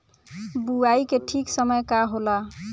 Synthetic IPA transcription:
buaikeʈʰiksəməjkaɦola

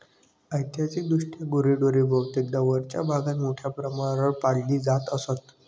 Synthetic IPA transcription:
əjt̪jat͡sik̚d̪uʂʈjaɡuɾiɖoɾibʱəwt̪ekd̪əʋəɾt͡ɕja̰bʱaɡat̪moʈʰjapɾəmaəɭpalːiːd͡zat̪əsət̪

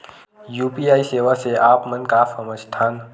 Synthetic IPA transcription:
juːpiaːiseːʋaseʔaːpmə̃nkaːfəməd͡ʒt̪ʰaːn

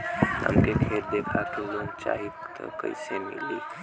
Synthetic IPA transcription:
ɦə̰mkekʰeɾd̪ekʰakeloŋt͡ʃa̰ɦi | t̪əkə̰jsemḭli

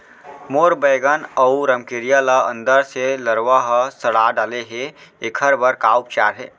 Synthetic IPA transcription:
moːɾbəːɡənəuɾəmkeɾijələə̃nd̪əɾseləɾwaɦəsəɽaɖaːleɦeekʰəɾbəɾkaːup̚t͡ʃaːɾɦɛ̰ː

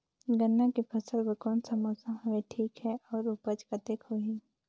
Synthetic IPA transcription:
ɡənːãkipʰɐsəlbəkɔːnsɐmoːsə̃ɦʊeʈʰiːkɦɛʔɔːɾʊpəd͡ʒkad̪eːkʰoɦiː

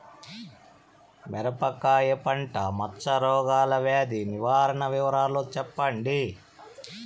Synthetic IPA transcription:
mɛɾɐpɐkaːjɐpɐɳʈɐmɐt͡ʃːɐɾɔːɡaːlɐʋeːd̪iniʋaːɾɐɳɐʋiʋɐɾaːlot͡ʃɛpːɐɳɖi

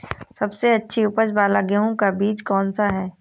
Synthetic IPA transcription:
sɐbseɐtːʃʰiʊpəd͡ʒbaːlaɡeɦõkabiːd͡ʒkɔːnsaɦɛː

